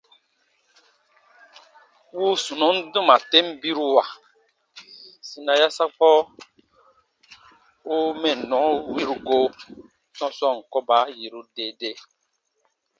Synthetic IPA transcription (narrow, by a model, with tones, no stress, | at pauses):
wu˦su˨nɔ˨˦n̩˦du˦ma˨te˦m˦bi˦ɾu˦wa˨ | si˨na˨ja˦sa˦k͡pɔ˦ | u˦mɛ˨nɔ̃˨˦wi˦ɾu˨ɡo˦ | sɔ̃˦sɔ˦˨ŋ̩˨kɔ˦ba˨˦ji˨ɾu˦de˦de˦